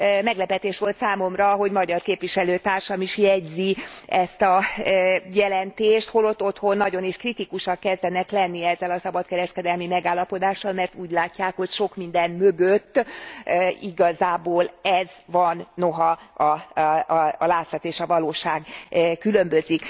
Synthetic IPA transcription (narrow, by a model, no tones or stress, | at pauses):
mɛɡlɛpɛt̪eːʃʋo̞lt̪saːmo̞mrɒɦo̞ɟmɒɟɒrkeːpʋiʃɛløːt̪aːrʃɒmiʃjɛɟziɛst̪ɒ | jɛlɛnt̪eːʃt̪holo̞t̪ːo̞t̪ho̞nːɒɟo̞neːʃkrit̪ikuʃɒkːɛzd̪ɛnɛklɛnːiɛzːɛlɒsɒbɒt̪kɛɾɛʃkɛd̪ɛlmimɛɡaːlːɒpo̞d̪aːʃːɒlmɛrt̪uːɟlaːcːaːkho̞cʃo̞kmind̪ɛnmøɡøt̪ː | iɡɒzaːboːlɛzvɒnːo̞ɦɒɒː | laːt̪sɒt̪eːʃɒvɒloːʃaːɡkylø̞mbøzik